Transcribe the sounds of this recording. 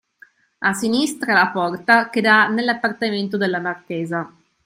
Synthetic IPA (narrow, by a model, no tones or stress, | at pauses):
asinist̪ɾalapɔrt̪aked̪anelːapːart̪ament̪od̪elːamarkeːza